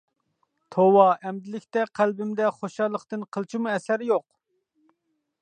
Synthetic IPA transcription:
t̪ʰowɑʔɛmd̪ɪlɪkʲt̪ɛqʰælbɪmd̪ɛχoʃɑlˠːəqt̪ɨnqʰəlˠt͡ʃʰimuɛsæɾɪjoq

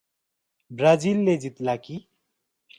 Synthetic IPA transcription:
bɾad͡zilːed͡zit̪laki

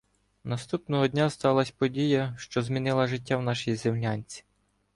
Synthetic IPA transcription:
nɐst̪upnɔɦɔdʲnʲast̪ɑlˠɐsʲpɔdʲijɐʃt͡ʃɔzmʲinɪlˠɐʒɪt̬ʲːawnɑʃɪjizɪmlʲanʲt͡sʲi̥

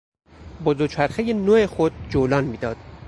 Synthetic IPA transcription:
bozot͡ʃʰæɾxejenoexod̪̚d͡ʒoːlɒːnmiːd̪ɒːd̪̥

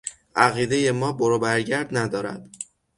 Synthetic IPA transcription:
ʔæɣiːd̪eje̞mɒːboɾobæɾɟæɾd̪næd̪ɒːɾæ̰d̪̥

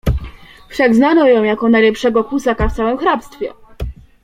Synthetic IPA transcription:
fʂaɡznanɔ̃jɔ̃w̃jakɔnajlɛpʂɛɡɔkusakaft̪sawɛmxɾapst̪fʲjɛ̰

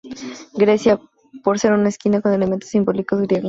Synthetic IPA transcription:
ɡɾesja | poɾseɾunaeskinakonelement̪osimbo̞likoðɣɾijeɣo

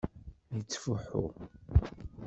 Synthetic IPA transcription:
jət͡sːfuħṵ

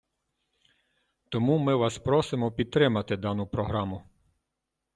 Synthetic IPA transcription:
t̪ɔmumɪʋɑspɾɔsɪmɔpʲid̪̚t̪ɾɪmɐt̪ɪd̪ɑnʊpɾɔɦɾɑmʊ

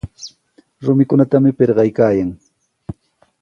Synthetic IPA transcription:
ɾʊmɪkʊnat̪amɪpeɾɢɑjkaːjaŋ

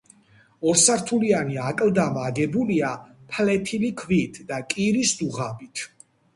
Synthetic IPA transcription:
ɔɾsaɾt̪ʰulianiakʼld̪amaɡɛbuliapʰlɛt̪ʰilikʰvit̪ʰd̪akʼiɾisd̪uʁabit̪ʰ

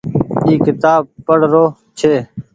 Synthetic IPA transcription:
iːkɪt̪aːb̚pəɽ̤ɾoː | t͡ʃʰeː

